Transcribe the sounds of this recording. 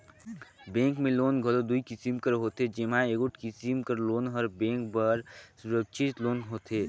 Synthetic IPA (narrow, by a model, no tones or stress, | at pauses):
bẽːŋkmẽloːnɡʱəlod̪uikisimkəɾɦoːt̪ed͡ʒemãeːkʊʈkisimkəɾloːnɦɔɾbẽːŋkbəɾsuɾəkʃʰit̪loːnɦoːt̪eː